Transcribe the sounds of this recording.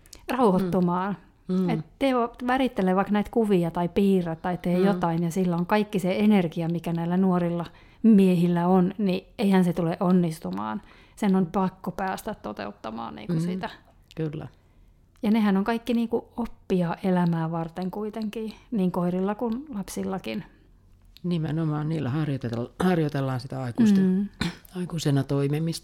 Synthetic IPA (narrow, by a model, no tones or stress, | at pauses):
rɑuhot̪ːomɑːn | et̪t̪eoʋærit̪ːeleːʋɑiknæit̪kuʋiɑt̪ɑipiːrɑt̪tːɑit̪ːeːjot̪ɑinjɑsilːoŋkɑikːiseenerkiɑmikænæilːænuorilːɑ | miehilːæonnieihænset̪uleʔonːist̪umɑ̰ːn | senonpɑkːopæːst̪æt̪t̪ot̪ḛut̪ːɑmɑ̰ːnnḭːŋkusit̪æ | kylːæ̰ | jɑnehænoŋkɑikːiniːŋkuopːiɑːʔelæmæːʋɑrt̪eŋkuit̪eŋkiːniːŋkoirilːɑkunlɑpsilːɑkin | nimenomɑːnniːlːæhɑrjot̪elhɑrjot̪elːɑːnsit̪æɑikust̪ | ɑikusenɑt̪oimemist̪ɑ